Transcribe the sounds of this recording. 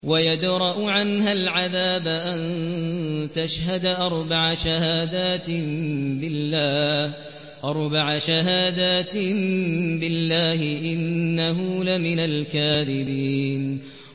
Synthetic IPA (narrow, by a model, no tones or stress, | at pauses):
wajad̪ɾˤɑʔʊʕanɦalʕaðaːbaʔan | t̪aʃɦad̪aʔɑɾˤbaʕaʃahaːd̪aːt̪ɪbɪlːaː | ʔɑɾˤbaʕaʃaɦaːd̪aːt̪ɪ | bɪlːaːhɪʔɪnːaɦulamɪnalkaːðɪbiːn